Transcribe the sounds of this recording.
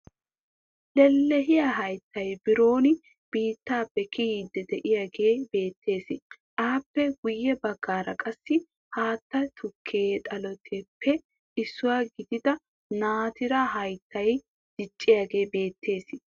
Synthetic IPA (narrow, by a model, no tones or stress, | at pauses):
lɛlːɛɦɪjaɦɐjt̪ːɐjbɪɾo̞ːnɪ | b̥iːt̪ːaːpːɛkɪiːd̪ːɛd̪ɛʔɪjaːɡeːbe̞ːt̪ːe̞ːsɪʔaːpːɛɡʊjːɛbɐɡːaːɾɐkʼɐsːɪ | haːt̪ːɐt̪ʰʊkʰːeːt̪ʼɐlɔt̪ʰepʰːɛ | ʔɪsːʊwaːɡɪd̪ɪd̪ɐ | naːt̪ɪɾaɦɐjt̪ːɐj | d̪̥ɪt͡ʃʼːɪjaːɡe̞ːbe̞ːt̪ʰːe̞ːsɪ